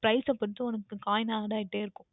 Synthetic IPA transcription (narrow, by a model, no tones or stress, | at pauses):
pɾɐɪsɐpːɐɾt̪ːɯɔnɐkːɯkaːjɐnaːɽaːɪʈːeːɪɾɯkːʊ̃